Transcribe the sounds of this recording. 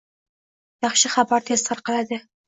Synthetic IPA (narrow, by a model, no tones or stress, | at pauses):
jɑχʃɪχabaɾt̪ʰest̪ʰɑɾqɑlad̪ɪ